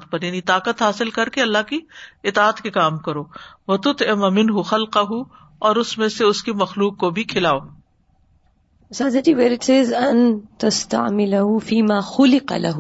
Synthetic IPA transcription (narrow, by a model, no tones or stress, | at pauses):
t̪̚pɐɾjaːnit̪aːqət̪ɦaːsɪlkɐɾkeɐlːaɦkiɪt̪aːt̪kekaːmkɐɾoːʋɐt̪ʊt̪ɪmamɪnɦʊxɐlqaɦu | ɔːɾʊsmẽseʊskimɐxluːqːobʱikʰɪlaːoː | saːzad͡ʒiːʋeːɾɪʈseːzɐnt̪ɐst̪a̰ʕmɪlɐɦufiːmaːxʊlɪqɑ̰lɐ̰ɦ